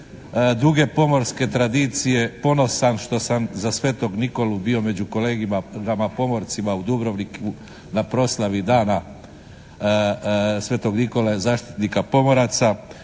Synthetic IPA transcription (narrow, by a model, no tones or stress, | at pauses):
d̪uɡe̞po̞mo̞ɾske̞t̪ɾad̪it̪sije̞po̞no̞sanʃt̪o̞samzasʋe̞ːt̪o̞ɡniko̞lubio̞me̞d͡ʑuko̞le̞ːɡimaɡamapo̞mo̞ɾt̪simaud̪ubɾoʋniku | napɾo̞slˠaʋid̪aːna | sʋe̞ːt̪o̞ɡniko̞lazaːʃt̪i̥t̪nikapo̞mo̞ɾat̪sa